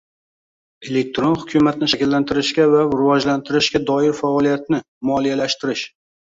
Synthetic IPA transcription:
e̞le̞k̚ʲt̪ɾonhʊkʲʰʊmat̪̚nɪʃakʲɪlːant̪ʰɪɾɪʃɡʲavaɾɪvɒd͡ʒlant̪ʰɪɾɪʃɡʲad̪ɒɪɾfaɒlˠijat̪nɪ | mɒlijalaʃt̪ɪɾɪʃ

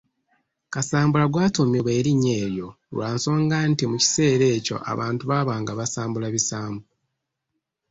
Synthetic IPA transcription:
kasaːmbulaɡwaːtomuβe̞ːɾiɲe̞ːɾjo̞ | lwaːnsoːŋɡantimuci̥se̞ːɾe̞ːco̞̰ʔa̰βaːntuβaβaːŋɡaβasaːmbulaβisaːmbu

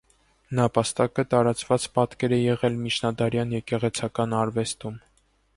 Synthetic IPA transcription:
nɑpɑst̪ɑkət̪ɑɾɑt͡svɑt͡spɑt̪kɛɾɛjɛʁɛlmit͡ʃʰnɑd̪ɑɾjɑnjɛkɛʁɛt͡sʰɑkɑnɑɾvɛst̪um

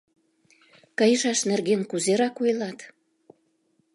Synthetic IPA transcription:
kəjəʃɑʃnerɣenkuzeɾɑkujlɑt̪

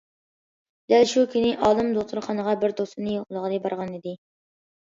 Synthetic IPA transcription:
d̪̥ælʃukʲʰinɪʔɑːlˠɨmd̪oχt̪ʰɨɾχɑnəʁɑbɪɾd̪ost̪ɨnɨjoqlˠəʁəd̪ɛbɑɾʁɑnid̪ɪ

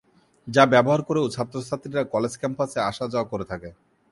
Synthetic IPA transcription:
d͡ʑabɛboɦaɾkoɾeot͡ɕʰapt̪ːɾost̪ʰat̪ːɾiɾakɔled͡ʑkɛmpaseaʃad͡ʑaokoɾet̪ʰake

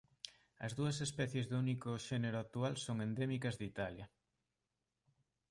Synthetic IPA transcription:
ɐ̰zðuɐsespɛθjezðunikʊʃeneɾoak̚t̪ualsoŋend̪emikɐzðit̪aljɐ

